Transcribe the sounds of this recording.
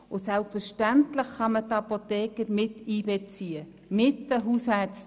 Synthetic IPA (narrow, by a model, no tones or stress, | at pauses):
ʊsɛlpfəɾʃtæntləχχɑmətɑpot̪ɛːkəɾmɪtiːbɛt͡siːə | mɪtəɦushæt͡s